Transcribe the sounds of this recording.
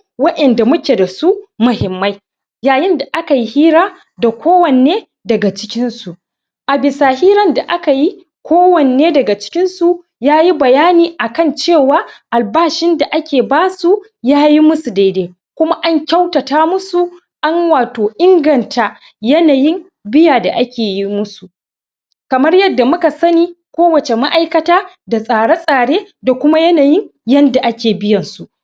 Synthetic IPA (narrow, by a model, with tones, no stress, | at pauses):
wɐ˦ʔɛ˨nda˨mʊ˦kʲeː˨da˨su˦mʊ˨hɪ˨mːa˦j | jaː˨jɪ˦nda˨ʔa˦ka˨ji˦hiː˦ɾaː˦ | da˨kʷoː˦wɐ˨nː˨eː˦ | dɐ˨ɡa˨t͡ʃɪ̥˦kʲɪ˦nsu˨ | ʔa˨bɪ˨saː˨hiː˦ɾɐ˦nda˨ʔa˦ka˨ji˦ | kʷoː˦wɐ˨n˨eː˦dɐ˨ɡa˨t͡ʃɪ̥˦kʲɪ˦nsu˨ | jaː˦ji˦bɐ˨jaː˦niː˨ʔa˨kɐ˦˨nt͡ʃeː˦˨waː˦ʔa˨lbaː˦ʃɪ˦nda˨ʔa˦kʲeː˨baː˦su˨ | jaː˦ji˦mʊ˦su˨da˦jde˦ | kʷʊ˦ma˦ʔa˦ɲkʲa˦wtɐ˨taː˦mʊ˦su˨ | ʔa˦nwaː˨toː˨ʔɪ˦ŋɡɐ˨ntʰa˨ | jɐ˦naː˨jɪ˦m | bɪ˦jaː˨da̰˨ʔa˦kʲeː˨ji˦mʊ˦su˨ | kɐ˨mɐ˦rjɐ˦dːa˨mʊ˦ka˨sɐ˦niː˦kʷoː˦wɐ˨t͡ʃe˨ma˦ʔa˦jkɐ˦taː˦da˨sʼaː˨ɽa˦sʼaː˨ɽeː˦da˨kʷʊ˦ma˦jɐ˦naː˨jɪ˦ŋjɐ˦nda˨ʔa˦kʲeː˨bɪ˦jɐ˨nsu˨